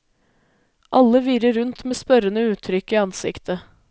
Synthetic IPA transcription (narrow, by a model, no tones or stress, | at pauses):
ʔɑləʋiːɾəɾʉnt̪meːspœɾənəʉːt̪ʰɾʏkiːɑnsɪ̰kt̪ʰə